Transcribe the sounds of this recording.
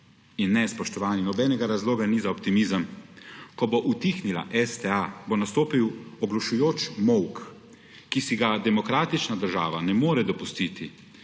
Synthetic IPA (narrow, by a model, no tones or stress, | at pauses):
inːɛspɔʃt̪ɔʋaːninɔbɛːnɛɡaɾazloːɡanizaɔpt̪imizəmkɔboʔut̪iːxnila̰ʔɛst̪ɛabonast̪oːpiwɔɡlɔʃujoːt͡ʃmɔwk | kisiɡad̪ɛmɔkɾaːt̪it͡ʃnad̪əɾʒaːʋanɛmoːɾɛd̪ɔpust̪iːt̪i